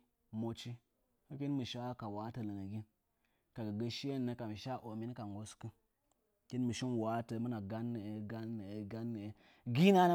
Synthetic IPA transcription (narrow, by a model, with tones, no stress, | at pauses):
mo˨t͡ʃi˦ | kə˦ki˦nmə˨ʃa˦ka˨wa˦tə˨lə˨ŋə˨ɡi˦n | ka˨ɡə˨ɡə˦ʃi˦je˦˨nːə˦ka˨mə˨ʃa˦ʔo˨mi˦n˦ka˨ŋ˨ɡo˨skɨ˦n | ki˦nmə˨ʃi˦nwa˨˦tə˨mə˦na˨ɡa˦nːə˨e˨˦ɡa˦nːə˨e˨ɡa˦nːə˨e˨ | ɡi˦na˦n˦